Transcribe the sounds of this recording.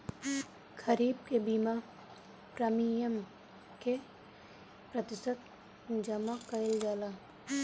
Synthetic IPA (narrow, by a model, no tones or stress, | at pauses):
kʰəɾiːb̚kebima | pɾəmijəm | ke | pɾət̪ɪsət̪ | d͡ʒəmakəɪld͡ʒaːlaː